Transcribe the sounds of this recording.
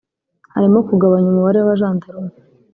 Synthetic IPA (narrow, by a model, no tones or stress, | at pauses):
haɾimokuɡaβaɲumuβaɾewaβaʒaːntaɾun